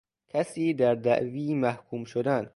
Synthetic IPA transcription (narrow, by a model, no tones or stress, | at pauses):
kʰæsiːd̪æɾd̪æʔviːmæhkʰuːmʃod̪æn